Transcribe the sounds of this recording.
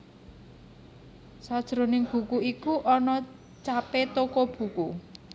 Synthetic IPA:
sad̥ʒ̥ɾo̤nɪŋb̥ṳkuikuʔɔnɔ | t͡ʃapet̪okɔb̥ṳku

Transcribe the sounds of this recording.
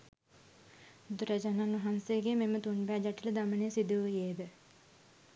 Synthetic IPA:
d̪uɾɐd͡ʒanaːnuɦanseɡememət̪unbæːd͡ʒaʈiləd̪amənesid̪uʋəjeːd̪ə

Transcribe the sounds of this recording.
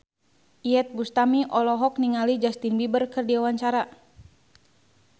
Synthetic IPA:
ʔiɛt̪̚bust̪amiʔɔlɔɦɔk̚niŋalid͡ʒast̪inbibərkərdiawaɲt͡ʃaɾa

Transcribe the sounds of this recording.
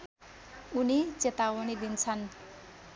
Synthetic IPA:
unit͡set̪awʌnid̪int͡sʰʌn

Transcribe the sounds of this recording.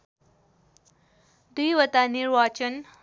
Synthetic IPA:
d̪ujʋət̪aniɾʋat͡ʃən

